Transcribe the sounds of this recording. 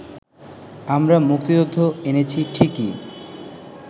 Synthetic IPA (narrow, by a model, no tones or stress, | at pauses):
amɾamuk̚t̪id͡ʑod̪ʱːoenet͡ɕʰiʈʰiki